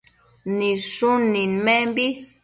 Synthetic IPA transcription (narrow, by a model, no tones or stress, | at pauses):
nĩʂunĩnmẽmbi